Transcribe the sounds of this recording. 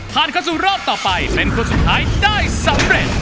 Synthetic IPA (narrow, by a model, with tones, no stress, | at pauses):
pʰaː˨˩nkʰa˧ws̬uː˨˩ɾɔː˥˩p̚t̪ɔː˨˩pa˧jpe˧nkʰu˧su˨t̪̚ʰaː˦˥jdaː˥˩jsa˨˦mɾe˨˩t̪̚